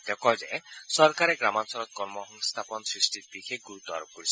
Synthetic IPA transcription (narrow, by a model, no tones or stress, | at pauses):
t̪ekɔd͡ʒesɔɾkaɾeɡɾamansɔɾɔt̪̚kɔɾmɔɦɔŋst̪ʰapɔnɔsɾisʈit̪̚bikʰeɡuɾut̪ɔa̰ɾɔkɔɾisʰɔ